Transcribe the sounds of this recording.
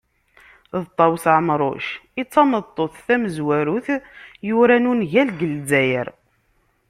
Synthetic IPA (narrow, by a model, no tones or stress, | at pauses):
ðt̪ˤːɑwsʕəmɾˤo̰ʃit͡sːɑmət̪ˤːoθθæməzwæɾuθjʊɾænunʝælɡəlzæjə̰ɾ